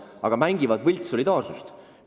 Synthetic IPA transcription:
ɑ̰ɡ̥ɑmæŋɡivɑd̪̥vɤlʲt̪so̞lʲid̪̥ɑːrsust̪

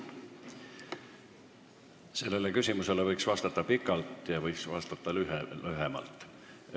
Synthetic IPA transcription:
se̞lːe̞le̞kysʲimuse̞le̞vɤjksvɑst̪ɑt̪ːˑɑpikːˑɑlt̪ˑjɑvɤjksvɑst̪ɑt̪ːˑɑlyhlyɦemɑ̰lt̪ːˑ

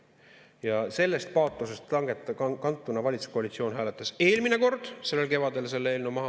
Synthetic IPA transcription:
jɑse̞lːe̞st̪̚pɑːt̪ˑlusest̪ɑŋɡ̥et̪ːkɑnt̪ːˑunɑvɑlʲit̪su̥sko̞ɑlit̪sio̞ːnɦæːlet̪ːˑɑse̞ːlmineko̞rd̪̥se̞lːelke̞vɑd̪̥e̞lse̞lːeːlnumɑɦɑ

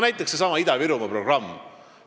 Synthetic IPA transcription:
næjt̪ːˑekse̞sɑmɑid̪ɑviɾumɑpro̞ɡ̥rɑmː

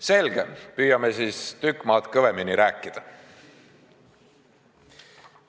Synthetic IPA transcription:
se̞lɡ̥ḛpyːjɑmesiːst̪ykːˑmɑːt̪kɤveminiɾæːkːˑid̪̥ɑ

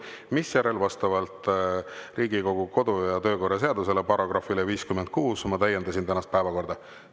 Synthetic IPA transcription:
misjæɾe̞lvɑst̪ɑvɑlt̪ | riːɡiko̞ɡ̥uko̞d̪̥ujɑt̪ø̞ːko̞rɑs̬e̞ɑd̪us̬e̞le̞pɑro̞ɡ̥rɑfileviːskyment̪̚kuːsmɑt̪æjːe̞nd̪ɑsint̪ænɑst̪̚pæevɑko̞rd̪̥ɑ

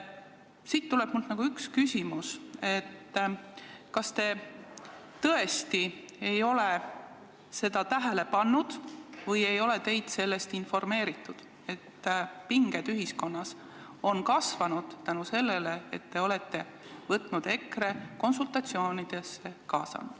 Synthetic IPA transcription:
siːt̪ːuleb̥muld̪nɑɡ̥uykskysʲimuse̞t̪ː | kɑst̪e̞ | t̪ɤ̞e̞st̪i | e̞jo̞le | se̞d̪̥ɑt̪æɦele̞pɑnːud̪̥vɤje̞jo̞le̞t̪e̞jd̪̥se̞lːe̞st̪info̞rme̞ːɾit̪ːˑud̪̥ | e̞t̪ːpiŋɡed̪yɦisko̞nːɑs | o̞nkɑsvɑnud̪̥t̪ænuse̞lːele̞et̪ːe̞o̞le̞t̪ːe̞ | vɤt̪ˑnud̪̥e̞kre̞ko̞nsult̪ɑt̪sio̞ːnid̪̥e̞sːekɑːsɑ̰nud̪̥

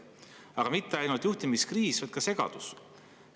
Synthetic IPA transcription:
ɑɡ̥ɑmit̪ːeɑjnult̪juht̪imiskriːsvɑjd̪̥kɑse̞ɡ̥ɑ̰d̪̥us

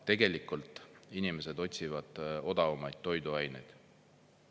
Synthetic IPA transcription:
t̪e̞ɡe̞likːˑult̪ˑinime̞se̞d̪o̞t̪ʲsivɑd̪̥o̞d̪̥ɑumɑjd̪̥̚t̪ːo̞jd̪uɑjnejd̪̥

